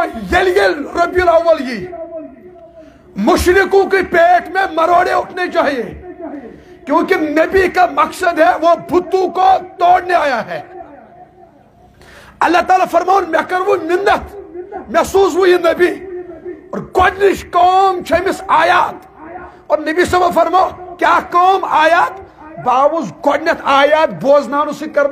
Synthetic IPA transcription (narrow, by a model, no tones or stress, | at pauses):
jɐljelɾɐbijɐlɐwːɐlji | mʊʃɾɪkõkipeːʈʰmẽmɐɾoːɽeʊʈʰnet͡ʃaːɦie | kjõːkinɐbikamɐksəd̪ɦɛʋobʱʊt̪ːõkot̪ɔːɽneaːjaɦɛː | ɐlːat̪aːlafɐɾmaːonmɛkɐɾʋumɪnːɐt̪mɛɦsuːs̬ɦujenɐbi | ɔːɾɡɔːɖniʃkɔːmt͡ʃʰemɪsaːjaːt̪ | ɔːɾnɐbisɐbafɐɾmaokjaːkɔːmaːjaːt̪ | baːʋʊzɡɔɽnɐt̪aːjaːt̪̚boːznaːnusikɐɾn